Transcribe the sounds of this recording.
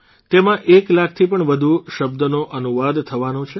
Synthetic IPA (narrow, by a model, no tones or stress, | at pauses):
t̪emãʔeklakʰt̪ʰipəɳʋəd̪ʱuʃəbd̪ənoʔənuʋad̪t̪ʰəʋanot͡ʃʰe